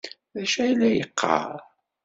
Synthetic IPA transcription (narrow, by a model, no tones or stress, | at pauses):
ðæʃæjlːæjəqʰːə̰ɾ